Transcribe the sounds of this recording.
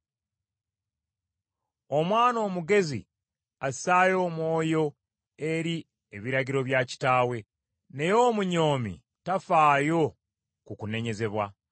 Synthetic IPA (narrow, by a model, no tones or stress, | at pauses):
o̞mwaːno̞ːmuɡe̞zḭ | asaːjo̞ːmwo̞ːjo̞ | e̞ɾi | eβiɾaɟiɾo̞βjaci̥taːwe̞ | ne̞jo̞ːmuɲo̞ːmḭ | tafaːjo̞ | kukune̞ɲe̞ze̞βwa